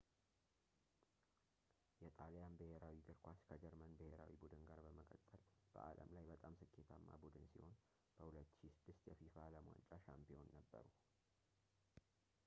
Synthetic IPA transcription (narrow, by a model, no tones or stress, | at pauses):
jɛt̪ʼaljanbəheɾawiɡ̪ɨɾkʰʷaskʰəd͡ʒɛɾmənbəheɾa̰wibud̪ɨnɡaɾbəməkʼət̪ʼːəlb̥ə̰ʔalə̰mlajbət̪ʼamsɨkʰːe̞t̪ʰamːa̰bud̪ɨnsiho̞n | b̥əhulət̪ːʃisɨd̪ːɨst̪jɛfifaləmwa̰nt͡ʃʼaʃampio̞nːəbːə̰ɾu